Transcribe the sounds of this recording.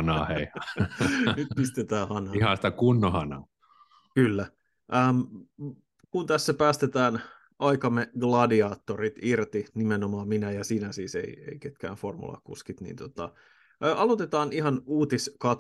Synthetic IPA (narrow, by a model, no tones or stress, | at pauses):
nɑːhei | nyt̪̚pist̪et̪æːhɑnɑihɑ̃si̥t̪ækunːohɑnɑ̰ː | kylːæ | ʔəːm | kunt̪æsːæpæːst̪et̪æːn | ɑikɑmːeɡlɑdiɑːt̪ːorit̪irt̪inimenomɑːminæjɑsiːnæsiːsḛiḛiket̪̚kæ̰ːnformṵlɑ̰kṵskit̪nḭnt̪ot̪ɑ̰ː | ɑlot̪et̪ɑːniɦɑnuːt̪iskɑt̪